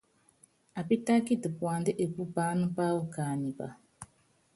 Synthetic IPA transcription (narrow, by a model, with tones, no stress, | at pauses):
a˨pi˦ta˦ki˦˨tə˨pwa˨n˦dɨ˦ʔe˨pu˦baː˦nɨ˦pa˦wu˨kaː˨ni˨ba̰˨